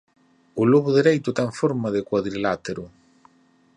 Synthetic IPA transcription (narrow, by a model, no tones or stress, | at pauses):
ʊloβʊðeɾejt̪ʊt̪aeɱfoɾmaðɪkwaðɾilat̪eɾʊ